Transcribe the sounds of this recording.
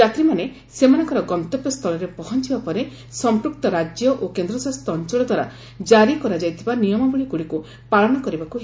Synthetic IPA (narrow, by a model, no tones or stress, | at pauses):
at̪ɾimane | semanɔŋkɔɾɔɡɔnt̪ɔpːjɔst̪ʰɔlɔɾepɔɦɔnt͡ʃibapɔɾe | sɔmpɾuk̚t̪ɔɾad͡ʒjɔʔokend̪ɾɔsast̪ɔːnt͡ʃɔɭɔd̪ʱwaɾa̰ | d͡ʒaɾikɔɾad͡ʒajt̪ʰibanijɔmɔɡuɭiɡuɽiku | paɭɔnɔkɔɾibakuɦ